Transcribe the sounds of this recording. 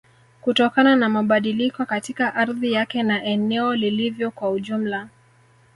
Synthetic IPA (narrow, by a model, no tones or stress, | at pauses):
kutɔkananamaɓaɗilikɔkatikaʔaɾðijakɛnaʔɛnɛɔlilivjɔkwauʄum̩la